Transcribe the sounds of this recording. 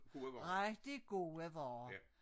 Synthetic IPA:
ʁɛɡ̥d̥iɡ̥o̝ːəʋɒː

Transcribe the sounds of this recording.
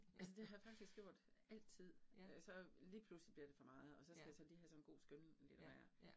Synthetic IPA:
ælsəd̥e̝ɦɑjfɑ̈ɡ̥̚d̥isɡ̥jo̝ɐ̰d̥æl̰d̥t͡sʰið̰ˠøsɒ̽liːpʰluslib̥liɐd̥e̝fɒ̽mɑ̈ːð̞̩ˠɒ̽sɒ̽sɡ̥æjasɒ̽liːhæsɒ̽nnɡ̥o̝̰ːsɡ̥ønlḛd̥mæɐ

